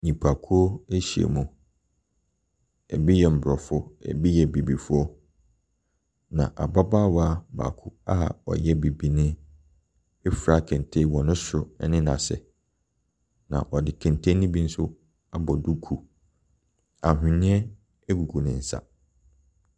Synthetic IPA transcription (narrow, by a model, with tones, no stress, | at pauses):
ɲĩ˨pʰa˨kʰu˦o˦e˦ɕi˨ḛ˨mũ˨ | ɛ̰˨bi˦jɛ˨m̩˨bɾɔ˨fʊ˦ɛ̰˨bi˦jɛ˨bi˨bi˨fʊ˦ɔ˦ | nã̰˨ʔa˨ba˦baː˦wa˦ba̰ː˨kʰʊ˦a˦˨ɔ̰˨jɛ˦be˨bi˨nɪ̃˦ | e˦fɾa˦kʰɛ̃˨n˨tʰe˦wɔ˨nʊ̃˦sʊ˦ɛ˦nɪ̃˦nã̰˨sɛ̰˨ | nã̰˨ʔɔ˨dɪ˨kʰɛ̃˨ntʰẽ˦nĩ˦bi˦n̩˦sʊ˦ | a˦bɔ˨du˦kʰu˨ | a˨ɦᶣɪ̃˨nɪ̃˦ɛ˦ | e˦ɡu˨ɡʰu˨nɪ̃˨n̩˨sa̰˦